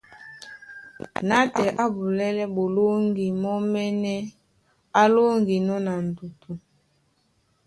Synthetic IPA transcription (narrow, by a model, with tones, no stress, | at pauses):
na˦tɛ˨ʔa˦bu˨lɛ˦lɛ˦bo˨lo˦ŋɡi˨mɔ˦mɛ˦nɛ˦ | a˦lo˦ŋɡi˨nɔ˦na˨n̩˨du˨tʰu˨